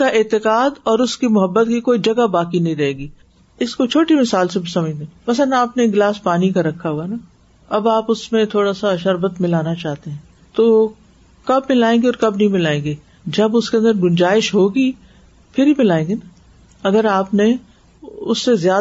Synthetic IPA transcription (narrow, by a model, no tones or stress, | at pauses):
kaʔɪːt̪ɪqaːd̪ɔːɾʊskimʊɦəbːət̪kikoːid͡ʒɐɡabaːkinɐɦĩɾɐɦeːɡiː | ɪskot͡ʃʰoːʈimɪsaːlsebʱisɐməd͡ʒd̪ẽːmɐsənaːpneɡlaːspaːnikaɾɐkʰːaɦuana | ɐbaːpʊsmẽt̪ʰoːɽasaɐʃəɾbət̪mɪlaːnat͡ʃaːɦt̪eɦɛ̃ː | t̪oː | kɐbmɪlaːẽːŋɡeɔːɾkɐbnɐɦĩmɪlaːẽːŋɡeː | d͡ʒɐbʊskeɐ̃nd̪əɾɡʊnd͡ʒaːɪʃɦoːɡi | pʰɪɾɦimɪlaːẽːŋɡena | ɐɡəɾaːpne | ʊsːezjaː